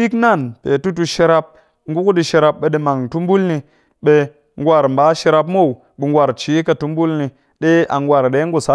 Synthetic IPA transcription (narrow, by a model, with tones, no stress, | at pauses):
i˦kna˦˨npe˨tu˦t̬u˧ʃe˧ɾa˧p̚ | ŋ˦ɡu˦ku˦ɗi˧ʃe˧ɾa˧p̚ɓe˨ɗi˧ma˨ŋtu˦mbu˦lni˧ | ɓe˧ | ŋ˦ɡʷa˨ɾm̩˨baː˨˦ʃe˧ɾa˧p̬mo˦˨w | ɓe˨ŋɡʷa˨ɾt͡ʃi˨˦ka˨tu˦m˦bu˦lni˧ | ɗe˦a˨ŋɡwa˨ɾɗe˨˦ŋɡu˦˨sa˦